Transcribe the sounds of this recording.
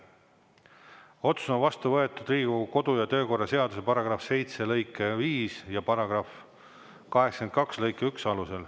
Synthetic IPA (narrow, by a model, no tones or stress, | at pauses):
o̞t̪su̥sonvɑst̪uvɤe̞t̪ːˑud̪riːɡ̥uko̞d̪̥ujɑt̪ø̞ːko̞rːɑse̞ɑd̪̥use̞pɑɾɑɡ̥rɑfse̞jt̪se̞lɤjkːˑeviːsjɑpɑɾɑɡ̥rɑf | kɑɦeksɑ̥ken̚kɑkslɤjkːˑeyksɑluse̞l